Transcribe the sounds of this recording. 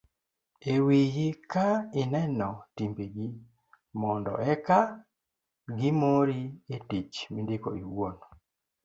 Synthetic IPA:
ewijikainɛnɔtimbeɡi | mɔndɔ̰ʔɛka | ɡimoɾietit͡ʃmindɪkoiwon

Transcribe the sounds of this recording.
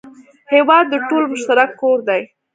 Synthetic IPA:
hewɑd̪ːəʈolmʊʃt̪aɾakːoɾd̪aj

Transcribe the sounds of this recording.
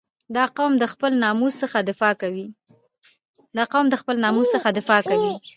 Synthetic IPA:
d̪ɑqawmd̪əxpəlnɑmussəxad̪ɪfɑkawi | d̪ɑqawmd̪əxpəlnɑmuzsəxad̪ɪfɑkawi

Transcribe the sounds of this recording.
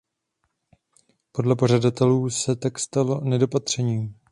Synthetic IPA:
po̞dlɛpo̞ʒ̝adat̪ɛluːsɛt̪akst̪alo̞nɛdo̞pat̪r̝̥ɛɲiːm

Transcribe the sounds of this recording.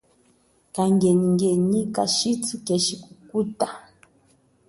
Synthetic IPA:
kaŋɡɛɲiŋɡɛɲikaʃitukɛʃikukuta

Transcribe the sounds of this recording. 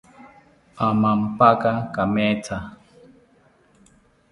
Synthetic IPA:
amam̩pakakamɛtʰa

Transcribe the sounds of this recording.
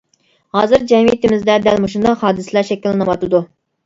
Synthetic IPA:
hɑːzɨɾd͡ʒɛmijit̪ɪmɪzd̪ɛd̪ɛlmuʃund̪ɑhɑːd̪ɨsɨlˠɑʃɛkʲilːɪnɨwɑt̪ɨd̪u

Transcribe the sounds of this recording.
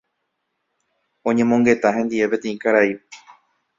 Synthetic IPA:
õ̞ɲẽ̞mõ̞ŋɡe̞t̪aɦẽ̞nd̪iepe̞t̪ẽ̞ĩkaɾai

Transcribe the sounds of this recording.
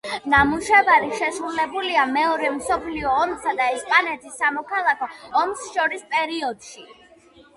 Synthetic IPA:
namuʃɛvaɾiʃɛsɾulɛbuliamɛɔɾɛmsɔpʰliɔːmsad̪aɛspʼanɛt̪ʰisːamɔkʰalˠakʰɔːmsʃɔɾispʼɛɾiɔd̪̥ʃi

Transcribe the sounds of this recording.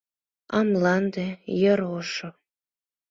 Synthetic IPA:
ɑmlɑnd̪ejəɾoʃo

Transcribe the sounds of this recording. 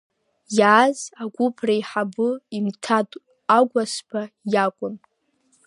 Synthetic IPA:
jaːzakʷʼʊpʰraiħabʊimtʰa | aɡʷasbajakʷʼʊn

